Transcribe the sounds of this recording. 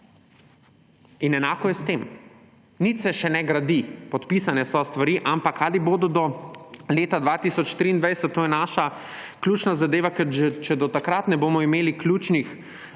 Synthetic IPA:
inɛnaːkɔjɛst̪em | nit̪sɛʃɛnɛɡɾad̪ipɔt̪pisanɛsɔst̪ʋaɾiʔampakʰaːliboːd̪ɔd̪ɔleːt̪ad̪ʋat̪isɔt͡ʃt̪ɾiːnd̪ʋajsɛt̪̚tːoːjɛnaːʃa | klʲuːt͡ʃnazad̪eːʋakɛʒɛt͡ʃɛd̪ɔt̪akɾat̪nɛboːmɔimeːliklʲjuːt͡ʃnix

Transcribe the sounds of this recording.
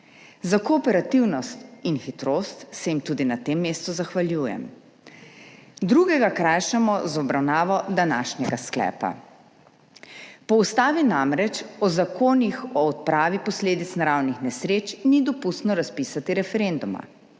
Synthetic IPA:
zakɔːpɛɾat̪iwnɔst̪inxit̪ɾoːst̪sɛjimt̪uːd̪inat̪emːeːst̪uzaxʋaljuːjɛ̰m | d̪ɾuɡɛɡakɾajʃamɔzɔbɾawnaːʋɔd̪anaːʃnʲɛɡasklɛ̰ːpa̰ | pɔust̪aːʋinamɾɛt͡ʃɔzakoːnixɔɔt̪̚pɾaːʋipɔsleːd̪it̪snaɾawnixnɛsɾeːt͡ʃnid̪ɔpust̪nɔɾaspiːsat̪iɾɛfɛɾend̪uma̰

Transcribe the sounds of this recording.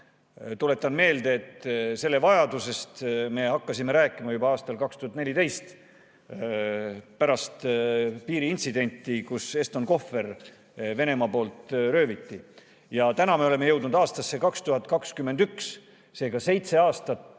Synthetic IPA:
t̪ule̞t̪ːˑɑnme̞ːld̪e̞ːt̪se̞lːevɑjɑd̪use̞st̪me̞hɑkːɑsime̞ɾæːkːˑimɑjubɑɑːst̪ɑlkɑkst̪uhɑt̪ne̞lʲit̪e̞jst̪ | pæɾɑst̪piːɾiint̪sid̪e̞nʲt̪ːˑikuse̞st̪o̞nko̞fːe̞r | ve̞ne̞mɑpo̞ːlt̪ɾø̞ːvit̪ːi | jɑt̪ænɑme̞ole̞me̞jɤ̞wd̪nud̪ɑːst̪ɑsːe̞kɑkst̪uɦɑt̪̚ˑkɑkskymːe̞nd̪yks | se̞ːɡɑse̞jt̪se̞ɑːst̪ɑt̪

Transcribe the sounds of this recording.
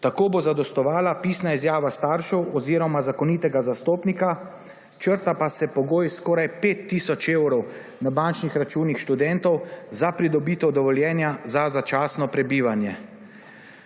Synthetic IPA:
t̪akoːbozad̪ɔst̪ɔʋaːlapiːsnaizjaːʋast̪aːɾʃɔwɔziːɾɔmazakɔnit̪ɛɡazast̪oːpnika | t͡ʃəɾt̪apasɛpɔɡoːjskɔːɾajpeːt̪ːiːsɔt͡ʃewɾɔw | nabant͡ʃnixɾat͡ʃuːnixʃt̪ud̪ɛnt̪ɔwzapɾid̪ɔbiːt̪ɛwd̪ɔʋɔljɛːnjazazat͡ʃaːsnɔpɾɛbiːʋanjɛ

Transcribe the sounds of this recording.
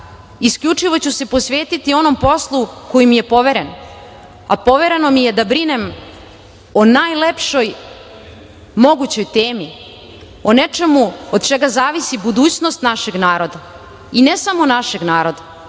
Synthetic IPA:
iskʎʲut͡ʂiʋo̞t͡ɕuse̞po̞sʋe̞ːt̪it̪io̞no̞mpo̞slˠuko̞jimije̞po̞ʋe̞ɾe̞n | apo̞ʋe̞ɾe̞no̞mije̞d̪abɾine̞m | onaːjlepʃoj | mo̞ɡut͡ɕo̞jt̪eːmi | one̞t͡ʃe̞muod̪̚t͡ʃe̞ɡazaːʋisibud̪uːt͡ɕnost̪naʃe̞ɡnaːɾo̞d̪a | inesamo̞naʃe̞ɡnaːɾo̞d̪a

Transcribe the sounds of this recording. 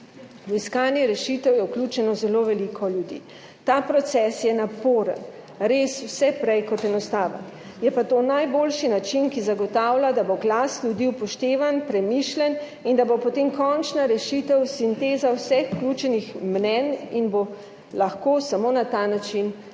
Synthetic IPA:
wiskaːnjɛɾɛʃit̪əwjɛwklʲut͡ʃɛnɔzɛloʋɛlikʰɔljud̪ḭː | t̪apɾɔt̪sɛsjɛnapoːɾə̰n | ɾeswsɛpɾɛjkɔt̪ɛnɔst̪aːʋə̰n | jɛpat̪oːnajboːlʃinat͡ʃinkizaɡɔt̪awlʲad̪aboɡlaslʲjud̪iwpɔʃt̪eːʋanpɾɛmiʃlʲɛn | ind̪abopɔt̪emkɔnt͡ʃnaɾɛʃit̪ɛwsint̪eːzawsɛxuklʲut͡ʃɛnixmnɛninbo | laxkosamoːnat̪anat͡ʃin

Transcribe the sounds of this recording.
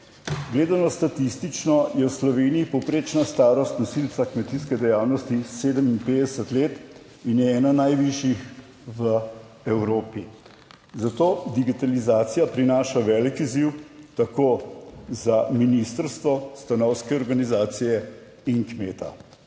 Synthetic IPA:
ɡleːd̪anɔst̪at̪ist̪it͡ʃnɔjɛwslɔʋeːniipɔwpɾeːt͡ʃnast̪aːɾɔst̪nasilt̪sakmɛt̪iskɛd̪ɛjaːwnɔst̪iseːd̪əminpeːd̪əsət̪leːt̪ | injɛɛːnanajʋiʃjix | ʋə | ɛwɾoːpi | zat̪oːd̪iɡit̪alizaːt̪sijapɾinaːʃaʋɛːlikiziwt̪akoːzaminist̪əɾst̪ʋɔst̪anɔwskɛɔɾɡanizaːt̪sijɛ | inkmeːt̪a̰

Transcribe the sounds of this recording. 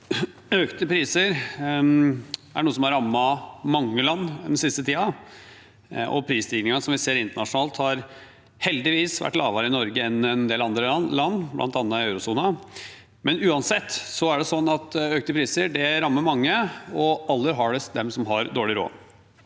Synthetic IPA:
økt̪əpʰɾiːsəɾ | æɳuːəsɔmhɑɾɑmːɑmɑŋːəlɑnːnɛnsɪst̪ət̪ʰiːɑ | ʔɔ̰pʰɾiːsd̪iːɡnɪŋɑsɔmʋɪseːɾɪnt̪əɳɑʂʊnɑːlt̪hɑɾ | hɛld̪ɪʋiːsʋæ̰ʈːlɑ̰ːʋɑɾəɪnɔɾɡəɛnɛnd̪eːlɑnd̪ɾəlɑnːblʔɑ̰nt̪ɑnːəɪœʉɾʊsuːnə | mɛnʉːɑnsɛt̪ːsɔæɖɛsɔnːɑt̪øːk̚t̪əpʰɾiːsəɖɛɾɑmːəɾmɑŋːəɔɑlːəɾɦɑɖɛsd̪ɛmsɔmɦɑɾd̪oːɭɪɾo̰ː

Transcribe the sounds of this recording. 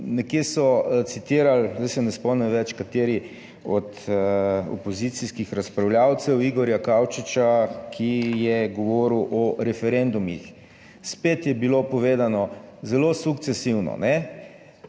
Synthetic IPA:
nɛkesɔt̪sit̪iːɾalzd̪ajsɛnɛspɔwnɛmʋɛt͡ʃkat̪eːɾi | ɔt̪ | ɔ̰pɔzit̪siskixɾaspɾawljawt̪sɛwiɡɔɾjakaːwt͡ʃit͡ʃakʰijɛɡɔʋɔːɾiwʔɔɾɛfɛɾend̪umḭx | speːt̪jɛbilopɔʋeːd̪anɔzɛlosukt̪sesiwnɔ̰nɛ

